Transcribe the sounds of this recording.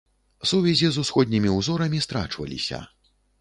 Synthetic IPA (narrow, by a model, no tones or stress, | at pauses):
suvʲɛzʲizusxɔd̪̚ʲnʲimʲiuwzɔɾɐmʲist̪ɾa̰t͡ʂvɐ̰lʲḭsʲɐ̰